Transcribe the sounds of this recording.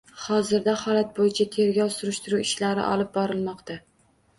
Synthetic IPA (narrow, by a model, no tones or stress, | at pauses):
hɒzɪɾd̪ahɒlat̪̚bojɪt͡ʃʰat̪ʰe̞ɾɡʲɒwsʊɾɪʃt̪ɪɾuwɪʃlaɾɪ̰ʔɒ̰lˠɪp̚bɒɾɪlˠmɒqt̪ʰa